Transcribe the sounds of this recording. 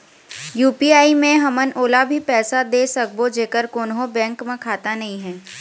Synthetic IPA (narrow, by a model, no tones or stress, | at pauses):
juːpiaːimẽɦɐmənʔoːlabʱipɛːsad̪eːsək̚bod͡ʒeːkəɾkoːnɦõbɛ̃ːŋkmẽkʰaːt̪anɐɦĩɦɛ̃ː